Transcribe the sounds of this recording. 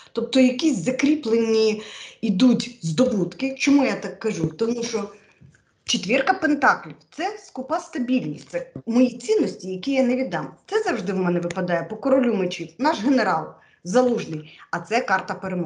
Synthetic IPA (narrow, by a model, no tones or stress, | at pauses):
t̪ɔp̚t̪ɔjɐkʲisʲzɐkɾʲiplˠenʲːiid̪utʲzd̪ɔbut̪kɪt͡ʃɔmujat̪ɑkːɐʒut̪ɔmuʃɔ | t͡ʃɪt̪ʲʋʲirkɐpent̪ɑklʲiwt̪sɛskʊpɑst̪ɐbʲilʲnʲisʲtʲt̪sɛmɔjit͡sʲinːɔsʲtʲijɐkʲijaneʋʲid̪ɑmt̪sɛzɐwʒd̪ɪwmɛnɛʋɪpɐd̪ɑjɛpɔkɔɾɔlʲumet͡ʃiwnɑʃɦeneɾɑlˠ | zɐlˠuʒnɪjɐt̪sɛkɑrt̪ɐpeɾemɔ